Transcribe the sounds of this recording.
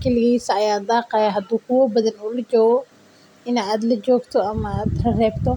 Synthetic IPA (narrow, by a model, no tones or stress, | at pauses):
kʰɛlɪɣiːsɐɐjaːd̪ɑːqɑjɐɦɐd̪uːkʰʊwɔbɐðɐnʊlɐd͡ʒɔːɣɔ | ɪnaːd̪lɐd͡ʒɔːɡt̪ʰɔɐmɐaːd̪lɐrɛːbt̪ʰɔ